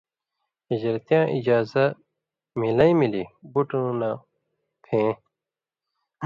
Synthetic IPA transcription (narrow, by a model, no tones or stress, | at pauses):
id͡ʑɾt̪ijãːʔid͡ʑaːzɐ | milɐĩmilibuʈũna | t̪ʰẽː